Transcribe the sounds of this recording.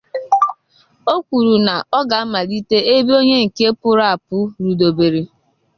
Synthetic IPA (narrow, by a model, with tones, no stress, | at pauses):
o˦kʷu˨ɾu˨na˨ɔ˦ɡa˨˦ma˨li˦te˦e˦bi˦o˦ɲe˦ŋ̩˨ke˦pʊ˦ɾa˨pʊ˦ɾu˨do˨be˨ɾi˨